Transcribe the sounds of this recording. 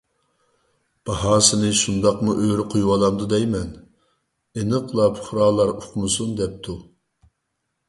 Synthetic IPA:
b̥ɑɦɑːsɪnɨʃund̪ɑqmuʔøɾɪqʰojwɑlˠɑmd̪ud̪ɛjmɛn | enɨqʰlˠɑpʰʊ̥χɾɑːlˠɑɾʊqʰmɨsund̪ɛp̚t̪ʰu

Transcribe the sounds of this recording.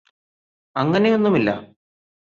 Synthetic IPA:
ɐŋːɐne̞jo̞nːumilːɐ̰

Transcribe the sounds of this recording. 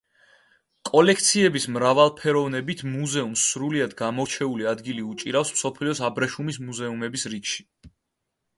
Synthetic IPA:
kʼɔlɛk̚ʰt̪sʰiɛbismɾavalˠpʰɛɾɔvnɛbit̪ʰmuzɛumsːɾuliad̪ɡamɔɾt͡ʃʰɛuliad̪ɡiliut͡ʃʼiɾafsmsɔpʰliɔsabɾɛʃumis̬muzɛumɛbisɾikʃi̥

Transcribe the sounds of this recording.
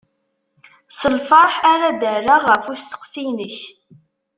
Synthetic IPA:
səlfɑɾˤħaɾad̪əɾaʁəfust̪ə̥qsinəç

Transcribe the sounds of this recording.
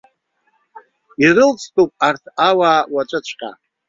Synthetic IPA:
iɾɨlt͡sʼʰtʰʼupʼartʰawaːwat͡ʃʷʼɨt͡ʃʷʰqʲʼa̰

